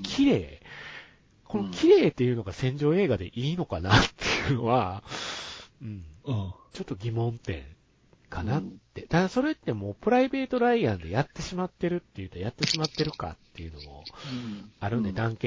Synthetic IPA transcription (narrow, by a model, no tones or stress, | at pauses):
kʲʰiɾe̞ː | ko̞nokʲʰiɾe̞ːt̪ːe̞jɯ̟no̞ɡasẽ̞ɲ̟d͡ʑo̞ːe̞ːɡad̪e̞̰ʔiːno̞kanat̪ʰːe̞jɯ̟no̞βa | ɯ̟̃ɴ | t͡ɕo̞t̪ːo̞ɡʲimõ̞nt̪ẽ̞̰ŋ | kʰanat̪ːe̞t̪ad̪aso̞ɾe̞t̪ːe̞mo̞ːpɯ̟ɾaibe̞ːt̪o̞ɾaiãnd̪e̞̰jat̪ːe̞ɕimat̪ːe̞ɾɯ̟t̪ːe̞jɯ̟t̪ojat̪ːe̞ɕimat̪ːe̞ɾɯ̟ka̰t̪ːe̞jɯ̟no̞mo̞̰ | aɾɯ̟̃ne̞d̪ãŋke